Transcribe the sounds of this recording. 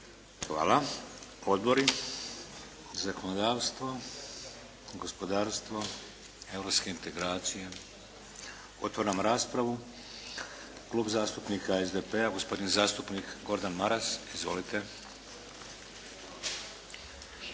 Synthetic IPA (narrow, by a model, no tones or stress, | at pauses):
xʋa̰ːlˠa | o̞d̪bo̞ɾi | zakonod̪aːʋst̪ʋo | ɡo̞spo̞d̪aːɾst̪ʋo | e̞vɾopske̞int̪e̞ɡɾaːt̪sije̞ | o̞̰t̪ʋoɾamɾaːspɾaʋu | klˠuːbzaːst̪upniːkaezd̪epeaɡo̞spo̞d̪inzaːst̪upniːkɡo̞ɾd̪anmaɾasizʋo̞lit̪e̞